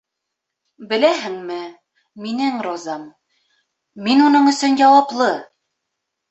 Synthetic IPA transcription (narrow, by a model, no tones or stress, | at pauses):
bɘ̆læɦɘŋmɘ | minɘŋɾozɑm | inunɤɴɵ̆sɵnjɑwɑplˠɤ